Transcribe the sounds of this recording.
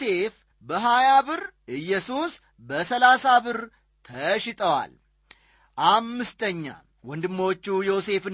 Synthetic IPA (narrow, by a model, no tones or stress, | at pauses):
e̞f | bəɦajabɨɾʔɨjːɛsus | bəsəlasabɨɾ | t̪ʰəʃɪt̪ʼəwa̰l | ʔamːɨst̪ʰəɲːa̰ | wɔnd̪ɨmːot͡ʃːujose̞fɨn